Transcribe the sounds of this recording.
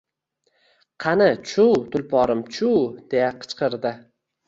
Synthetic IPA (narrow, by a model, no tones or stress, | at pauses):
qʰɑnɪt͡ʃʰuwt̪ʰʊlpʰɒɾɪmt͡ʃʰuwd̪̥e̞jaqʰɨ̥t͡ʃqʰɨɾd̪ɪ